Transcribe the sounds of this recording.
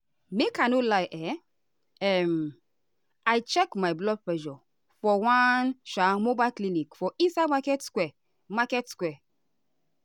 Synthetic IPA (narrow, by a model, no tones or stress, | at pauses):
mekanolajʔɛ | ɛm | ajt͡ʃɛkmajblɔd̚plɛʒɔ | fɔwãnʃamobajlklinikfɔʔĩnsajdmakɛtskwɛ | makɛtskwɛ